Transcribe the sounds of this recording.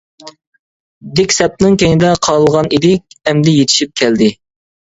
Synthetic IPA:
d̪ɪkʲsɛp̚nɨŋkʲeŋɪd̪ɛqʰɑlˠəlˠʁɑnid̪ɪk̚ʲɛmd̪ɪjet̪ʰɪ̥ʃip̚kʲʰɛld̪ɪ

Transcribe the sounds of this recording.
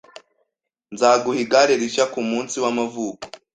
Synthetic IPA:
nzaːɡuhiɡaɾeɾiʃakumuːnsiwamavuːko

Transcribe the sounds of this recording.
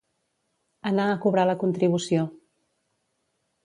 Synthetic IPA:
ənaəkuβɾaləkunt̪ɾiβusio

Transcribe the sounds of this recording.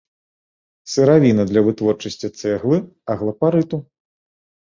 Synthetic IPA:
sɨɾavʲinɐd̪lʲɐvɨt̪vɔrt͡ʂɐsʲt͡sʲit̪sɛɣlˠɨ | ɐɣlˠɐpaɾɨt̪u

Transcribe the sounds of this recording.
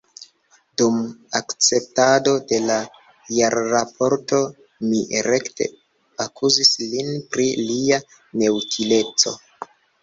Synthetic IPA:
dumakt͡se̞p̚tado̞de̞la | jaɾːapo̞ɾto̞ | miɾe̞kte̞̰ | akʰuzislinpɾilia | ne̞utʰile̞t͡so̞

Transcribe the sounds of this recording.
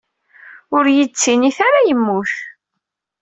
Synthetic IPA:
ʊɾjət͡sːiniθaɾajəmːuθ

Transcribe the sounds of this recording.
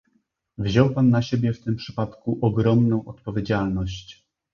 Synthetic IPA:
vʑɔwpanːaɕebʲjɛft̪ɘmpʂɘ̥pat̪kuʔɔɡɾɔmnɔ̃w̃ʔɔt̪̚pɔvʲjed͡ʑalnɔɕt͡ɕ

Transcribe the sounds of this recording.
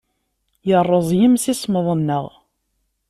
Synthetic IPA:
jərˤːəzˤjəmsisməðˤənːəʁ

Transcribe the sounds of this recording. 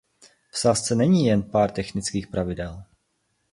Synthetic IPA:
fsast͡sɛnɛɲiːjɛnpaːɾt̪ɛxnɪt͡skiːxpɾʔavɪdɛl

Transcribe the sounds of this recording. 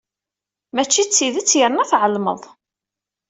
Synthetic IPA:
mæt͡ʃːit͡sːiðət͡sːjəɾnæθʕəlmə̰ðˤ

